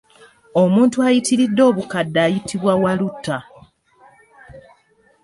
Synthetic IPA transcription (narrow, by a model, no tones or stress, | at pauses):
o̞muːntuajitiɾidːo̞ːβukadːaːjitiβwawalutːa